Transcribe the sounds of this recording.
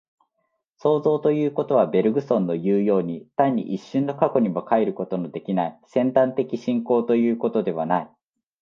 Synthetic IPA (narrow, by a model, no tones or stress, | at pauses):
so̞ːzo̞ːt̪o̞jɯ̟ːko̞t̪o̞β̞abe̞ɾɯ̟ɡɯ̟sõ̞nːo̞jɯːjo̞ːɲ̟it̪aɲ̟ːḭʔiɕːɨ̃nːo̞kako̞ɲ̟imo̞kaeɾɯ̟ko̞t̪o̞nod̪e̞kʲinaisẽ̞nt̪ãnt̪e̞kʲiɕĩŋko̞ːt̪o̞jɯ̟ːko̞t̪o̞d̪e̞β̞anai